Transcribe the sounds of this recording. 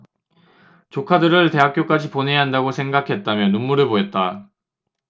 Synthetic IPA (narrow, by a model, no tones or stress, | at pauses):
t͡ɕokʰadɯɾɯɭte̞ɦak͈̚jok͈ad͡ʑipone̞jaɦandaɡosʰe̞ŋɡakʰe̞t̚t͈amjʌnunmuɾɯɭpoet̚t͈a